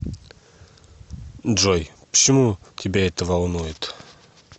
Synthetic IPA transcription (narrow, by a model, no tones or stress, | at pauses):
ʒojpə̥t͡ɕɪmutʲɪbʲeɛt̪əvalˠnujɪt̪